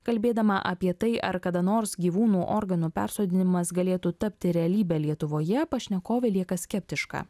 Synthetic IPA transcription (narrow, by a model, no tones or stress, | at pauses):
kɐlʲbʲeːd̪ɐmɐʔɐpʲiɛt̪ɐɪʔɐ̰ɾkɐd̪ɐnoːɾsɡʲiːʋuːnuːʔoːɾɡɐnuːpʲæ̰ːˑɾsoːd̪ʲɪnʲɪmɐsɡɐlʲeːt̪uːt̪ɐpʲt̪ʲɪɾʲɛɐlʲiːbʲɛlʲiɛt̪ʊʋoːjɛpɐʃʲnʲɛkoːʋʲɛlʲiɛkɐsʲkʲɛpʲt̪ʲɪʃkɑ̰ː